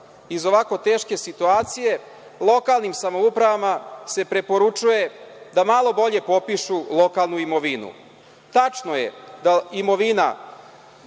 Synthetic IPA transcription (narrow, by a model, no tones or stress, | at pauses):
izo̞ʋako̞t̪e̞ːʃke̞sit̪uaːt̪sije̞ | lˠo̞kalˠnimsamo̞upɾaʋamase̞pɾe̞po̞ɾut͡ʂuje̞d̪amalˠo̞bo̞ʎe̞po̞piʃulˠo̞kalˠnuimo̞ʋinṵ | t̪at͡ʃno̞je̞̰d̪aimo̞ʋina̰